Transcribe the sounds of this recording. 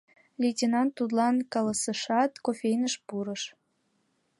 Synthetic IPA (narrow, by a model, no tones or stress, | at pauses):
lʲetʲenɑnt̪ːut̪̬lɑnkɑləsəʃɑt̪kofʲejnəʃpuɾəʃ